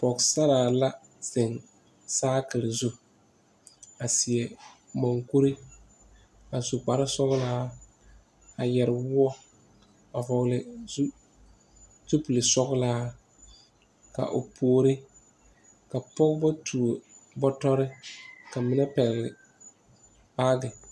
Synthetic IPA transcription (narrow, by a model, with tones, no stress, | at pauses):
pɔ˨ksa˦ɾaː˨la˦ | se˨ŋ | saː˦kɨ˨lɪ˨zu˦ | a˨sɪ˨ɛ˨ | mɔ˨ŋku˦ɾi˦ | a˨su˨k͡pa˨ɾɪ˦sɔ˦ɣlaː˦ | a˨jɛ˨ɾɪ˨wʊ˦ɔ˦ | a˨vɔ˨ɣlɪ˨zu˦ | tu˦pu˨lɪ˨sɔ˦ɣlaː˦ | ka̰˨ʔo̰˨pʰu˨o˦ɾɪ˦ | ka˨pɔ˦kba˦tʰu˨o˨bɔ˦tɔ˦ɾɪ˦ka˨mɪ˦nɛ˦pɛ˨ɣlɪ˨ | baː˦ɡɪ˨